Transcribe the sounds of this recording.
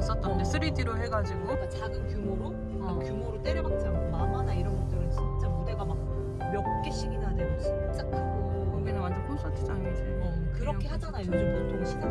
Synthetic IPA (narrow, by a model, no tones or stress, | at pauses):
is͈ʌt̚t͈ʌndesʰɯɾitʰiɾohe̞ɡad͡ʑiɡot͡ɕaɡɯmkjumoɾo | kjumoɾot͈eɾjʌbak̚s͈ammamanaiɾʌnɡʌtt͈ɯɾɯnt͡ɕiit͡ɕ͈amudeɡamak̚ | mjʌk̚k͈eɕ͈ʰiɡidadeɡoɕʰit͡ɕ͈akʰomenɯwantʰekʰonsʰʌtʰɯd͡ʑand͡ʑi | kɯɾʌkʰeɦad͡ʑanajod͡ʑʌmot͈oɾɯɕʰiko